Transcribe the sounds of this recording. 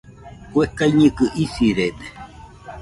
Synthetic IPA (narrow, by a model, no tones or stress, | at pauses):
kuekaiɲĩkɨʔisiɾede